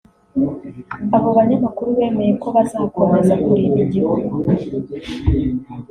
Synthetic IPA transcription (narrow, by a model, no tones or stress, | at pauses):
aβo̞βaɲamakuɾuβe̞ːme̞je̞ko̞βazakomazakuɾiniɟihoɡo